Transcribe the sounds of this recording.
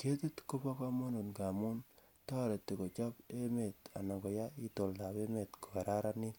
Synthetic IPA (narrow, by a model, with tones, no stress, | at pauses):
ke˦te˦tko˦pa˦ka˦ma˦nu˨nka˨mu˦n | tɔ˦˨ɾe˨ti˨ko˨t͡ʃɔ˦pe˦me˨ta̰˨na˨ŋɡɔ˨ja˦i˦to˨lda˨pe˦me˨tko̥˨ka˨ɾa˦ɾani˦